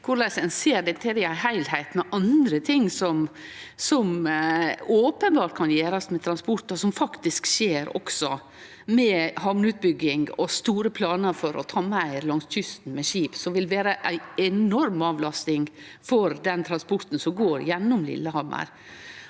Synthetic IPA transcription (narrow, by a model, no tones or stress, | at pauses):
kʰʊɾlæsɛnseːɾd̪ɛnt̪ʰeɾɪɑhæɪlhæɪt̪mɛʔɑnd̪ɾət̪ʰɪŋːsɔmsɔm | oːpənbɑːʈ̪̚kʰɑnjeːɾɑsmɛt̪ʰɾɑnspɔɾt̪ɔsɔmfɑkt̪ɪskʃeːɾɔ̰ksɔ | mɛhɑʋnʉːt̪̚bʏɡːɪŋɔst̪uːɾəpʰlɑːnəɾfɔɾɔ̰t̪ʰɑːmææɪɾlɑŋstʰʏst̪n̩mɛʃiːpsɔʋɪlʋeːɾəʔæɪɛnɔɾmɑːʋlɑst̪ɪŋ | fɔɾd̪ɛnt̪ʰɾɑnspɔɾt̪n̩sɔmɡoːɾjɛnːʊmlɪ̰lːəhɑɾmə̰ɾ